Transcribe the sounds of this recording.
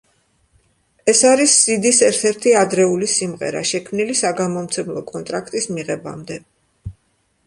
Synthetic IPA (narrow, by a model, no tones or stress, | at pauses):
ɛsaɾisːid̪isɛɾt̪ʰɛɾt̪ʰiad̪ɾɛulisimʁɛ̰ɾa̰ʃɛkʰmnilisaɡamɔmt̪sʰɛmlˠɔkʼɔnt̪ʼɾakʰt̪ʼismiʁɛba̰md̪ɛ